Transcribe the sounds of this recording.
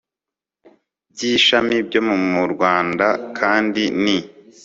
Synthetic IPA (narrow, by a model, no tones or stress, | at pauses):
bɟiːʃamibɟo̞mumuɾɡwaːndakʰaːndini